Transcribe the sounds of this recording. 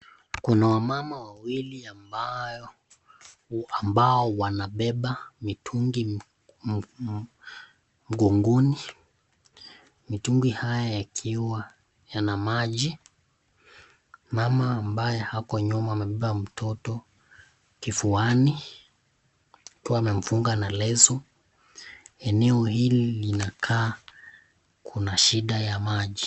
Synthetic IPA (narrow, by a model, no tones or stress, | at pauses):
kunawamamawawiliamba | ambaɔwanaɓɛɓamitʰuŋɡi | m̩ɡuŋɡuni | mituŋɡihajajakʰiwa | janamaʄi | mamaːmbajɛhakɔɲɔmaːmɛɓiwam̩tʰɔtɔ | kifuani | akiwaːmɛɱ̩fuŋɡanalɛzɔ | ɛnɛɔhililinakʰaː | kʰunaʃiɗajamaʄi